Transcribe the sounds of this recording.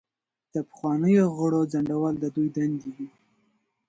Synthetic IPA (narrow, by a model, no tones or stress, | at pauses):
d̪̥əpə̥xwɑnəjoɣəɽod͡zaɳɖawɑld̪əd̪ujd̪and̪iɡi